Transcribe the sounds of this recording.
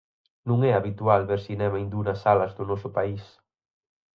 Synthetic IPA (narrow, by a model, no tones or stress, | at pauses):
nũŋɛaβit̪ualβeɾsinɛmɐẽnd̪unɐsalɐzðʊnɔsʊpais